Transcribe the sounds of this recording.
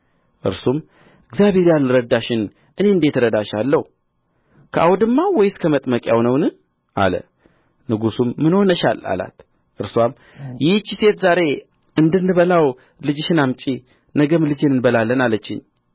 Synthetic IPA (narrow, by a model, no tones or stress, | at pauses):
ʔɨ̰ɾsum | ɪɡzjabe̞ɾjalːɨɾəd̪aʃɪn | ʔɨne̞ɨnd̪e̞t̪ɨɾəd̪aʃalːəhu | kʰəʔawd̪ɨmːawɔjskʰəmət̪ʼməkʼja̰wnəwnɨ | ʔa̰lə̰ | nɨɡusumːɨnhonəʃa̰la̰la̰t̪ | ʔɨɾswam | jɪt͡ʃːise̞t̪zaɾe̞ | ɨnd̪ɨnːɨβəlaw | lɨd͡ʒɪʃɪnamt͡ʃʼi | nəɡəmlɨd͡ʒenɨnbəlalːənalət͡ʃːɪ̰ɲː